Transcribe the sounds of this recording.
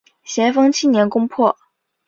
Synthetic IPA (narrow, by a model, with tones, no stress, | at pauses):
ɕjɛ˧˥nfɤ˥ŋt͡ɕʰi˥njɛ˧˥nkʊ˥ŋpʰwɔ˥˩